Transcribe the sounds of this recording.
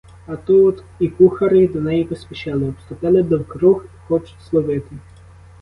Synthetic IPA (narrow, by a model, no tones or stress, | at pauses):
ɐt̪ut̪ | ikuxɐɾɪd̪ɔnɛjipɔsʲpʲiʃalˠɪɔpst̪ʊpɪlˠɪd̪ɔwkɾuxxɔt͡ʃʊ̥slˠɔʋɪt̪ɪ